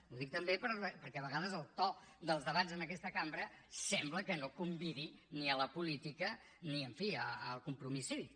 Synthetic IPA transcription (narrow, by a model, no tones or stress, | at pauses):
uðik̚t̪əmbepəɾpəɾkɛəβəɣaðəzəlˠt̪ɔ | d̪əlˠzðəβazənəkɛst̪əkambɾəsɛmbləkənokumbiðiniələpulit̪ikə | niəɱfiəəlˠkumpɾumisi